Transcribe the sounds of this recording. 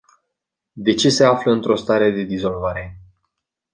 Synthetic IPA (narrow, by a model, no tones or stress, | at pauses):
d̪e̞t͡ʃe̞se̞afləɨnt̪ɾo̞st̪aɾe̞d̪e̞d̪izo̞lvaɾe̞